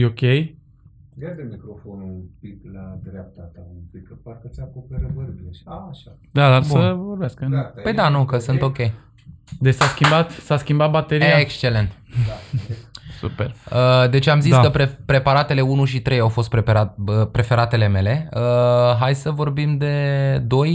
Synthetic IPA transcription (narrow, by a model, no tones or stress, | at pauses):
okʲej | ɡad̪emikɾo̞fonupiklad̪ɾap̚t̪at̪apijkəparkət̪sakopeɾəvəɾbieaʃa | d̪ad̪arbsuəvorbeaskəpəjd̪anukəsɨnt̪o̞kʲe̞j | d̪et͡ʃsaskʲimbat̪saskʲimbat̪̚bat̪e̞ɾaekst͡ʃe̞le̞nt̪ | sṵperəd̪e̞t͡ʃamziakəpɾepɾe̞paɾat̪e̞le̞unuʃit̪ɾe̞jawfo̞st̪̚pɾepeɾat̪əpɾe̞fe̞ɾat̪e̞le̞me̞le̞əɦajsəvo̞rbimd̪e̞d̪o̞j